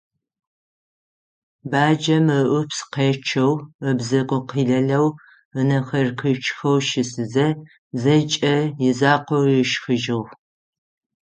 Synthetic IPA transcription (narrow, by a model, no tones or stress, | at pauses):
baːd͡ʒɐməʔʷʊpsqeːt͡ʃʰɐwəbzɐqʷʼʊqiːɮɐɮɐw | ənɐxɐrkʰɨt͡ʃʰʼxɐwʃɪsɨzɐ | zɐt͡ʃʼɐjɪzaːqʷɔwjɪʃxɨʒɪʁ